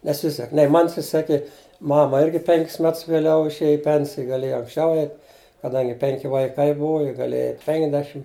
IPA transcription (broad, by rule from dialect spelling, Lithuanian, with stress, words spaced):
nʲɛˈsʲɪsʲɛk nʲɛɪ ˈmɐn sʲɪˈsʲæːkʲeː ˈmɑːmɐ ˈɪrʲɡʲɪ ˈpʲɛŋʲkʲɪs ˈmʲɛts ʋʲeːˈlʲɛʊ ɪʃʲˈeːjɛ ɪ ˈpʲɛnʲsʲɪjɛ ɡɐˈlʲeːjɛ ɐŋksʲˈt͡ʃʲɛʊ ˈɛɪt kɐˈdɐŋʲɡʲɪ ˈpʲɛŋʲkʲɪ ˈʋɐɪˈkɐɪ ˈbʊʋʊ jɪ ɡɐˈlʲeːjɛ ˈɛɪtʲ ˈpʲɛŋʲkʲɛdʲɛʃʲɪm